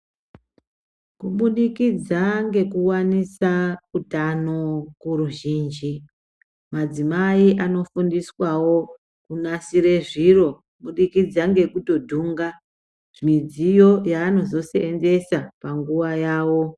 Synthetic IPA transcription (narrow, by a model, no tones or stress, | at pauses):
kuɓuɗikid͡zaŋɡe̞kuwanisautano̞kuɾuʒiːnd͡ʒi | mad͡zimaiʔano̞fundiswawo̞ | kunasiɾe̞ʐiro̞kuɓuɗikid͡zaŋɡe̞kuto̞dʱuːŋɡa | ʐ̥imid͡zijo̞jaːno̞zo̞seːnze̞sapaŋɡuʋajaːwo̞